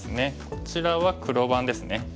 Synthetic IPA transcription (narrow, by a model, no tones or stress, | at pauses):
sɨne̞ko̞t͡ɕiɾaβakɯ̟ɾo̞ːbãnd̪e̞sɨne̞